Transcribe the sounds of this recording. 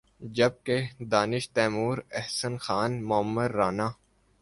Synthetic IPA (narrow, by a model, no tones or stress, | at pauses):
d͡ʒɐb̚ked̪aːnɪʃt̪ɛːmuːɾɛɦsənxaːnmʊəmːəd̪ɾaːnaː